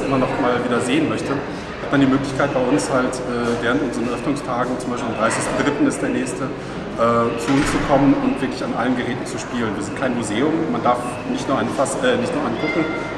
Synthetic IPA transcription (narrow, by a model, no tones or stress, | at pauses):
ʔɪmɐnɔχmaːlviːdɐzeːənmœçtə | hatmandiːmøːklɪçkʰaɪt̚b̥aɪʊnshaltʔɛːvɛːʁ̞əntʔʊnzəʁənʔœfnʊŋstʰaːɡŋ̩t͡sʊmbaɪʃpilːdemdʁaɪsɪçstn̩dʁɪtn̩ɪst̚d̥eːɐnɛːçstə | ʔɛːt͡suʊnst͡sukʰɔmənʊntv̥ɪɐklɪçanʔalənɡəʁɛːtn̩t͡suʃpiːlənviːɐzɪntkʰaɪnmuzeːʊmmandaɐf | nɪçtnuɐaɪnfasʔɛːnɪçtnuːɐʔaɪnkʰʊkŋ̩